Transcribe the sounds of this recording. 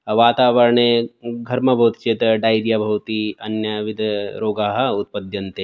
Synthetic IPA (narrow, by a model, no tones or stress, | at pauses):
ʋaːt̪aːʋɐɾɳeɡʱɐɾmɐbʱɐwt̪i̥t͡ʃet̪ɖaːjɾjabʱɐwt̪iɐnjɐʋid̪ɾoːɡaːɦɐ̆ut̪̚pɐd̪ʱjɐnt̪eː